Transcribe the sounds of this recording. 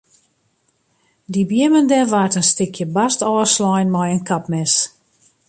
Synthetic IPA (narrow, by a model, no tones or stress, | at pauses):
dibjɪəməndɛʋartənstɪkʰjəbastɔːəslɔjnmɔjənkʰapmɛs